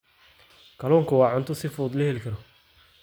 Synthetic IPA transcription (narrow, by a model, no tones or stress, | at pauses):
kʰɐlɔːŋkʰʊwɑːʕʊnt̪ʰʊsɪfuːd̪lɐhɛlikʰɐɾɔ